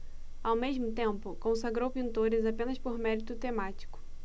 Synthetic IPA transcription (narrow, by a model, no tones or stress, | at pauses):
awmeʒmʊt̪ẽmpʊkõsaɡɾowpĩnt̪oɾɪzapẽnɐspoɾmɛɾit̪ʊt̪emat͡ʃi̥kʊ̥